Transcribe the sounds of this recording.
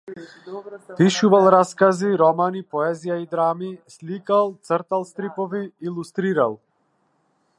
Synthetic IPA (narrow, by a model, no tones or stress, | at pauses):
piʃuvalˠɾaskaziɾɔmanipɔɛzijaid̪ɾamislikalˠt̪sɾt̪alˠst̪ɾipɔviilˠust̪ɾiɾalˠ